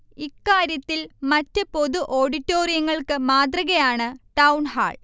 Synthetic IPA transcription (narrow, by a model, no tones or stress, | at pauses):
ikːaːɾjɐt̪ːilmɐtːɨpo̞ðuʔo̞ːɽitːoːrijɐŋːɐɭkɨmaːt̪̬rɐɣɐjaːɳɨʈɐwnɦa̰ːɭ